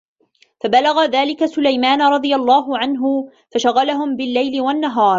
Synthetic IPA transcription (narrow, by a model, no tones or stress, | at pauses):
fabalaɣaðaːlɪkasʊlajmaːnɾˤɑd̪ˤɨjalˤːɑːɦʊʕanɦʊ | faʃaɣalaɦʊmbɪlːajlɪwanːaɦɑːɾˤ